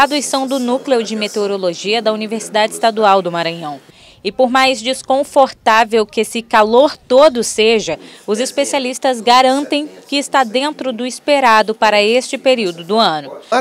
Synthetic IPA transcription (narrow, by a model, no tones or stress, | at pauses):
ad̪uisɐ̃w̃d̪ʊnuklewd͡ʒɪmet̪eoɾoloʒiɐd̪ɐuniveɾsid̪ad͡ʒɪːst̪ad̪uawd̪ʊmaɾɐ̃ɲɐ̃w̃ | ɪpoɾmajzd͡ʒiskõfoɾt̪avewkesɪkaloɾt̪od̪ʊseʒɐʊzɪspesialist̪ɐzɡaɾɐ̃nt̪ẽj̃kɪːst̪ad̪ẽnt̪ɾʊd̪ʊispeɾad̪ʊpaɾɐest͡ʃɪpeɾiwd̪ʊd̪ʊɐ̃nʊ